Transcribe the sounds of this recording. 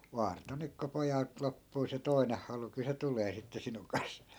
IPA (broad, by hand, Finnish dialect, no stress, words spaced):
ʋɑːrto nyk ko pojɑlt lopːuː se toineh hɑlu kyl se tuleː sitːe sinuŋ kɑns